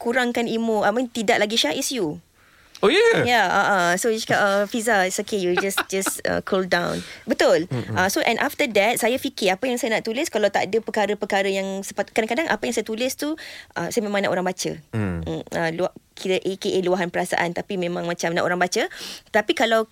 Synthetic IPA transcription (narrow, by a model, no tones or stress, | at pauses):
kuɾaŋkanimũamĩnt̪idaʔlaɡiʃaʔɪsju | ojajaaʔasoaskaʔəfizaɪsokejud͡ʒasd͡ʒasə̰kʰoldãwnbət̪ʊlʔasoʔɛ̃nʔaft̪ədɛt̪̚sajafikɪapajaŋsajanaʔt̪ulɪskalawt̪a̰ʔdəpəkaɾəpəkaɾəjaŋsə̥pat̪kːadaŋkadaŋʔa̰pajaŋsajat̪ulɪst̪uʔə̰sajamẽmãŋna̰ʔoɾãŋbat͡ʃə̰ | əluakʰiɾəʔekeʔeluaɦanpəɾasa̰ʔant̪apimẽmãŋmãt͡ʃamnaʔoɾaŋbat͡ʃət̪apikalaw